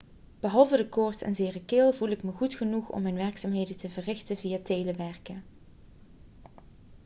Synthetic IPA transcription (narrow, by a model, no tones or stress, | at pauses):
b̥əɦɑlˠvədəkʊːɹsɛ̰nzɪːrəkɪːlˠvulɪkməχutχənuχɔ̰mːɛjnʋɛɹksaːmɦejdəntəvərɪxtəvijatejləʋɛɹkə